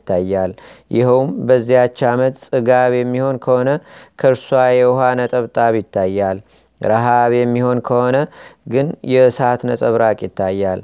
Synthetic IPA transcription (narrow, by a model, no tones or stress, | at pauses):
t̪ʰːajːaljɪ̰həwmbəzːijat͡ʃːamət̪ʼsʼɨɡaβjɛmːiho̞nkʰəho̞nəkʰəɾswajɛwɦanət̪ʼəβt̪ʼaβjɪt̪ʰːajːal | ɾaɦaβjɛmːiho̞nkʰəho̞nəɡɨnjɛsat̪nəsʼəβɾakʼjɪt̪ʰːajːal